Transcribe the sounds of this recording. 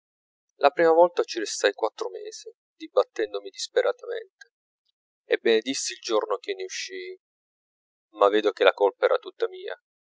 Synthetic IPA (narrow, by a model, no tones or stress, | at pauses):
lʔapɾiːmavɔlt̪at͡ʃiɾest̪ajkwat̪ːɾomḛːz̥i | d̪ibːat̪ːɛnd̪omid̪ispeɾʔat̪amḛnt̪e | ebːened̪isːiːld͡ʒornok̟enːeuʃːi | mavːeːd̪ok̟elakolpaɛːɾʔat̪ut̪ːamiːa̰